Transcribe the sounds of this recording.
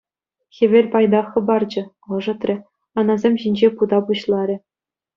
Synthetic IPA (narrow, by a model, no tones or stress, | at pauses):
xʲĕʋʲerʲpɑjd̪ɑxɤ̆bɑrd͡ʑɤ̆ | ɤ̆ʐɤ̆t̪rʲɘ̆ | ɑnɑzʲemʲʑinʲd͡ʑepud̪ɑpuɕlˠɑɾʲɘ̆